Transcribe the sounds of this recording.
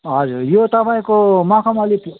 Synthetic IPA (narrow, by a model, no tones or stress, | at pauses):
ɦʌd͡zurjot̪ʌpaĩkomakʰamʌlip